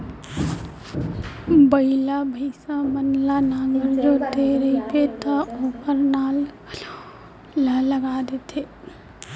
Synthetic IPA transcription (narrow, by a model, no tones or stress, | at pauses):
bəɪlabʱəɪsamənlanaːŋɡəɾd͡ʒoːt̪eɾeipet̪ʰaopəɾnaːl | ələɡaːd̪et̪ʰeː